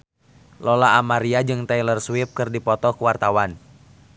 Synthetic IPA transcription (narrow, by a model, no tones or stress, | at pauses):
lɔlaːmaɾiad͡ʒɨŋt̪ɛjlərswip̚kɨrdipɔt̪ɔkuwart̪awan